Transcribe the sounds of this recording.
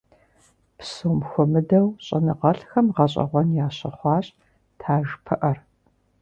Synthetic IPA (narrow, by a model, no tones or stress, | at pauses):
psoːmxʷɔmɨdɐwɕʼɐnɨʁɐɬxɐmʁɐɕ̬ʼɐ̰ʁʷɔnjaːɕɐ̰χʷɑːɕʼ | tʰaːʒpʰɐʔɐr